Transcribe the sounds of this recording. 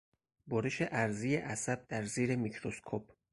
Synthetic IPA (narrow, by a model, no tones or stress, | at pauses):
boɾeʃe̞ʔæɾzijeʔæsæb̥̚d̪æɾziːɾe̞micʰɾoskʰop̚ʰ